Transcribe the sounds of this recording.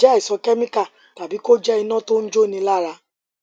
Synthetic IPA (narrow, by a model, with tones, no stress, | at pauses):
ɛ˦i˨sɔ˧kɛ˦mĩ˦ka˦˨ | ta˨bi˨˦ko˦d͡ʒɛ˦i˧nã˦to˦n̩˦d͡ʒo˦˨nĩ˧la˦˨ɾa˧